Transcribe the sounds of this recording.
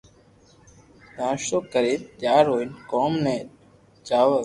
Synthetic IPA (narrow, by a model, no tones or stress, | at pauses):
d̪ãːʃt̪oːkəɾeːt̪jaːɾɦoːinkoːmnẽː | t͡ʃaːʋə